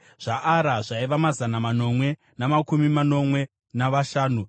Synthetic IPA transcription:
ʐ̥aʔaɾaʐaiʋamazanamano̞mwe̞ | namakumimano̞mwe̞ | naʋaʃaːnu

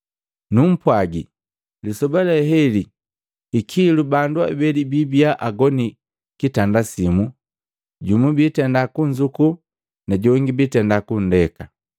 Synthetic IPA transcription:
num̩pwaɡḭ | lisɔbalɛɦɛliː | kʰilubandua̰bɛlibibiaʔaɡɔni | kitandasimu | ɟumubitɛndakuɲd͡ʒuku | naɟɔŋɡibitɛndakun̩dɛka

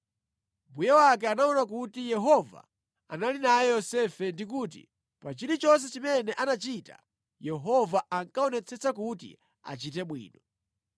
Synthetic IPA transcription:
mbujawak̬ɛanaɔnakutijɛɦɔva̰ | analinajɛjɔsɛfɛndik̬uːt̬ḭ | pat͡ʃiɾit͡ʃɔns̬ɛt͡ʃimɛnɛʔanat͡ʃita̰ | jɛɦɔvaaŋkaɔnɛt͡sʰɛt͡sakutḭ | a̰t͡ʃitɛɓwḭːnɔ

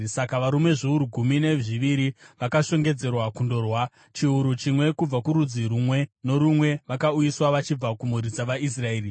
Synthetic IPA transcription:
sakaʋaɾume̞ʐiuɾuɡʱumine̞ʐiʋiɾiʋakaʃo̞ŋɡe̞d͡ze̞rwakundo̞rwa | t͡ʃiuɾut͡ʃimwe̞kub͡vakuɾud͡ziɾumwe̞no̞ɾumwe̞ʋakaujiswaʋat͡ʃib͡vakumuɾid͡zaʋais̬rae̞ːri

